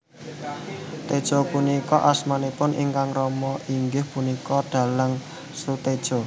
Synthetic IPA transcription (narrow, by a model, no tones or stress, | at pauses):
t̪ed̥ʒ̥opunikɔʔasmanipʊnʔḭŋkaŋrɔmɔʔiŋɡɪhpunikɔɖ̪̥a̤laŋ | sut̪ed̥ʒ̥o̤